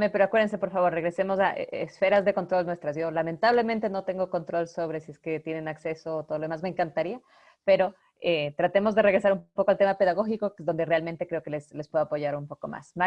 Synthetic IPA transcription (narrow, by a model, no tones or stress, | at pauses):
mepeɾoakweɾðense̞poɾfaβo̞ɾreɣɾe̞se̞mo̞saʔḛesfe̞ɾazðe̞ko̞nt̪ɾo̞lnwe̞st̪ɾasʝo̞lament̪aβle̞ment̪e̞no̞t̪e̞ŋɡo̞ko̞nt̪ɾo̞lso̞βɾe̞sie̞ske̞t̪je̞nenakse̞so̞t̪oðloðemazmeːŋkant̪aɾia | pe̞ɾo̞ | et̪ɾat̪e̞mo̞zðe̞reɣɾe̞saɾumpo̞koalt̪emape̞ðaɣ̞o̞xikokezðo̞nd̪e̞re̞alment̪e̞kɾe̞oke̞leslespwe̞ðoapo̞ʝaɾumpo̞ko̞̰mʔa̰sma